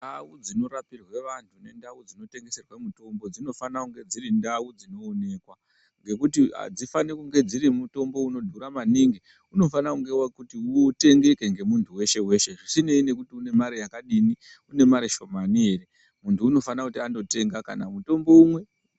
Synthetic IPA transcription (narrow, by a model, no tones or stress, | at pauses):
nawud͡zino̞ɾapirwe̞ʋantʰune̞ndawud͡zino̞te̞ŋɡe̞se̞rwamuto̞mbo̞d͡zino̞fanakuŋɡe̞d͡ziɾindawud͡zino̞ːne̞kwa | ŋɡe̞kutia̰d͡zifanekuŋɡe̞d͡ziɾimuto̞mbo̞uno̞dʱuɾamaniːŋɡi | uno̞fanakuŋɡe̞wakutiute̞ŋɡe̞ke̞ŋɡe̞muntʰuwe̞ʃe̞we̞ʃe̞ʐisine̞ine̞kutiune̞maɾijakaɗini | une̞maɾiʃo̞maniɦe̞re̞ | muntʰuːno̞fanakutiando̞te̞ŋɡaka̰namuto̞mbo̞umwe̞